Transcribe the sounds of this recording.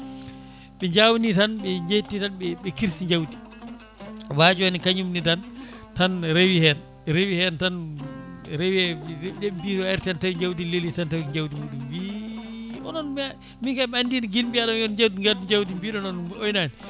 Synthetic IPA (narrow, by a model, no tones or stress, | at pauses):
ɓɛɲd͡ʒawnitanɓɛɲd͡ʒetːitanɓɛɓɛkiɾsiɲd͡ʒawdi̥ | wad͡ʒɔɛnikaɲumnidantanɾewihɛn | ɾewihɛntan | ɾewɛɗɛbitɔajiɾtiantawiɲd͡ʒawdilelːitantawɲd͡ʒawdimuːɗumbi | ɔnɔnm | mikaɓɛandiniɡilbiaɗɔmɔnɲd͡ʒawdiɡaduɲd͡ʒawdimbiːɗɔnɔnojnani